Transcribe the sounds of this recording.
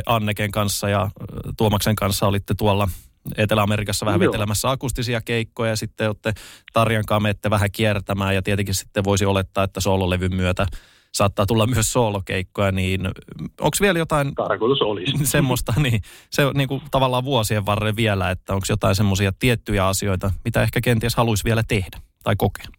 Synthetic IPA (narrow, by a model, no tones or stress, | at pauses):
ʔɑnːekeŋkɑnsːɑjɑt̪uomɑkseŋkɑnsːɑolit̪ːet̪uolːɑet̪elæɑmerikɑsːɑʋæhæʋʋet̪elæmæsːæɑkust̪isiɑkeikːojɑjɑsit̪ːeot̪ːet̪ɑrjɑŋkɑːmeːt̪ːeʋæɦækiert̪æmæːjɑt̪iet̪eŋkissi̥t̪ːeʋoisiolet̪ːɑːet̪ːæsoːloleʋymmyøt̪æ | sɑːt̪ːɑːt̪ulːɑmmyøssoːlokeikːojɑniːnʔo̰ŋksʋieljot̪ɑint̪ɑrkot̪usolissemːost̪ɑniːseniːŋkut̪ɑʋɑlːɑːʋʋuosieʋʋɑrːeʋʋielæet̪ːæoŋksjot̪ɑĩnsemːosiɑt̪iet̪ːyjæɑsioit̪ɑmit̪æehkækent̪ieshɑluisʋiɛlæt̪ehd̥æt̪ɑikoke̥